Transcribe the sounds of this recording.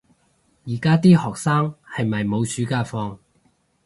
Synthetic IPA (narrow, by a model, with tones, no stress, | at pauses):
jiː˨˩kaː˥t̪iː˥hɔː˨k̚saː˥ŋhɐ˨jmɐ˨jmo˨˧wsyː˨˥kaː˧fɔː˧ŋ